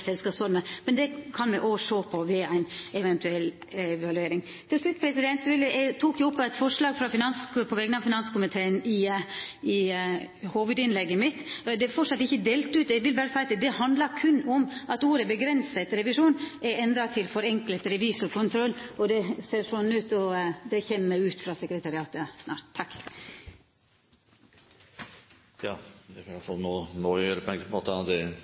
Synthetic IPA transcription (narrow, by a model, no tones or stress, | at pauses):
sɛlskɑːpsfɔɾməmɛnd̪ɛkʰɑnmɛʔoːʂoːpʰɔʋɛæɪnɛʋɛnt̪ʉɛlː | ɛʋɑlʉeːɾɪŋ | t̪ʰɪlslʉt̪ːpʰɾɛsɪd̪ɛnt̪sʋɪləʔæt̪ʰuːkjʊʊpːæt̪fɔʂlɑːɡfɾɑfɪnɑnspʰɔʋɛkənɑʋfɪnɑnskʊmɪt̪ʰeːənɪ | ɪ | huːʋəd̪ɪnlɛɡːəmɪt̪ːd̪ɛæɾfɔʂɑt̪ːɪçːəd̪eːlt̪ʉːt̪ɛɪɡʋɪlbæːɾəsæɪt̪d̪ɛhɑnd̪ləɾkʰʉnːɔmʔɑt̪uːɾəbəɡɾɛnsət̪ɾɛʋɪʂuːnɛɾɛnd̪ɾɑt̪ʰɪlfɔɾɛŋklət̪ɾɛʋiːsʊkʰʊnt̪ʰɾɔlːɔd̪ɛseːɾsɔn̩ʉːt̪ɔd̪ɛçɛmːəʉːt̪fɾɑːsɛkɾət̪ʰɑɾɪɑːt̪əsnɑ̰ːɾt̪t̪ʰːɑkː | jɑːd̪ɛkɑæfɑlnoːnoːjøːɾəpɔɛŋɡəpɔmot̪ɑd̪ɛ